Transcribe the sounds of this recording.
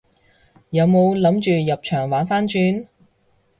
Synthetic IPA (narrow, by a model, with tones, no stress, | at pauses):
jɐ˨˧wmo˨˧wlɐ˨˥mt͡ʃyː˨jɐ˨p̚t͡ʃʰœː˨˩ŋwaː˨˥nfaː˥nt͡ʃyː˧n